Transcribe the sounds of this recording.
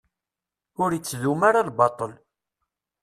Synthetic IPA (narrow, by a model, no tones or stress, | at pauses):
ʊɾjit͡sːðumaɾalbɑt̪ˤəl